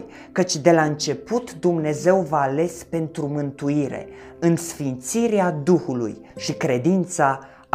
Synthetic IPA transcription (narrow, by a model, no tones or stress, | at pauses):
kət͡ʃʲd̪e̞laɨnt͡ʃe̞put̪d̪umne̞ze̞wvaːle̞spe̞nt̪ɾumɨnt̪uiɾe̞̰ | ɨnsfint̪siɾead̪uhulṵj | ʃikɾe̞d̪int̪sa